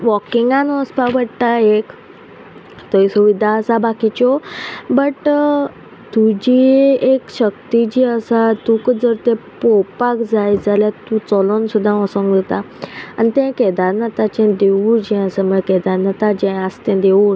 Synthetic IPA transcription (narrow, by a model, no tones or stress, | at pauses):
ʋɔkiŋɡãnəspabəɽʈ̪aek | t̪əisuʋid̪ʱaːsabakit͡ɕɔbəʈ | t̪ud͡ʑiekɕəkt̪id͡ʑiːəsat̪ukd͡zəɾt̪ẽpɔpakd͡zajd͡zaljat̪ũt͡sɔlonsud̪ʱːãɔsɔ̃ŋɡət̪a | anit̪ɛ̃kɛd̪aɾnat̪at͡ɕɛ̃d̪eud͡ʑɛ̃əsəməkɛd̪aɾnat̪ad͡ʑɛ̃əst̪ɛ̃d̪eu